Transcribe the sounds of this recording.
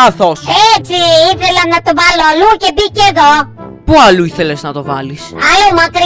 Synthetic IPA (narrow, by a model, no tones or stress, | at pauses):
ɐθoset͡siiθelɐnɐt̪ovɐloɐluce̞biceðo̞ | puɐluiθe̞leznɐt̪o̞vɐlisɐlumɐkɾi